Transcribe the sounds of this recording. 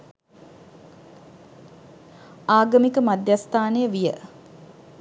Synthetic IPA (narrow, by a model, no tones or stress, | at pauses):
aːɡəmikəmad̪jast̪aːnəjəʋijə